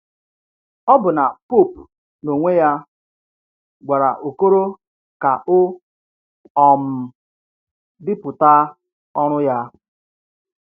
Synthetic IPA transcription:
ɔ˦bʊ˨na˨pu˦˨p̚ | no˨ŋʷe˦ja˦ | ɡʷa˨ɾa̰˨ʔo˨ko˦ɾo˦ | ka˨ʔʊ˦ | ɔ˨m̩˨ | dɪ˦pʊ˨ta˦ | ɔ˦ɾ̃ʊ˦ja˦

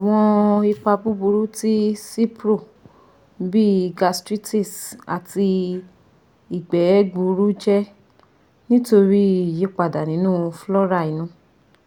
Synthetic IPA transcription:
a˨w̃ɔ̃˧i˧k͡pa˧bu˦bu˧ɾu˦ti˦si˦pɾo˦˨ | bi˦˨ɡa˧stɾi˦ti˦˨sa̰˨ti˧ | i˨ɡ͡bɛ˨˦ɡu˧ɾu˦d͡ʒɛ˦ | nĩ˦to˧ɾi˦˨je˦k͡pa˨da˨nĩ˨˦nũː˦˨˧flɔ˦ɾa˦˨i˨nũ˨˦

